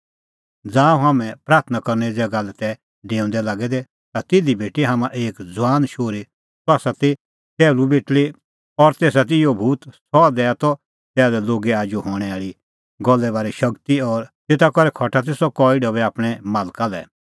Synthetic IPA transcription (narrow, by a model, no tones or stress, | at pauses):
d͡zaːũɦaːmɛ̃pɾaːɾt̪ʰnakɐɾnɛid͡zɛɡalɛt̪ɛ | ɖẽːʊ̃nd̪ɛlaːɡɛd̪ɛ | t̪at̪ɪd̪ibeːʈiɦaːmãʔeːkd͡zʊwaːnʃoːɾi | sʊaːsat̪i | t̪ɛːlubeːʈli | ɔɾt̪eːs̬at̪̬ijobʱuːt̪sɔd̪ɛːat̪ɔ | t̪ɛːdɛloːɡɛaːd͡ʒuɦɔːɽ̃ɛaːɭi | ɡɔlːɛbaːɾiʃɐkt̪iɔɾt̪eːt̪akɔɾɛkʰɔʈʰat̪̬esɔkɔːiɖɔbɛaːpɽ̃ɛmaːlkalɛ̰